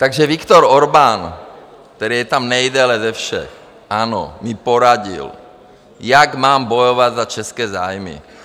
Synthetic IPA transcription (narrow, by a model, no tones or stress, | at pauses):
t̪aɡʒɛʋikt̪ɔɾɔɾban | k̚t̪ɛɾiːjɛt̪amnɛjd̪ɛlɛzɛfʃɛ̰x | ʔaːnɔ̰mipɔɾaɟḭl | jaɡmaːmbɔjɔʋad̪zat͡ʃɛskɛːzaːjmḭ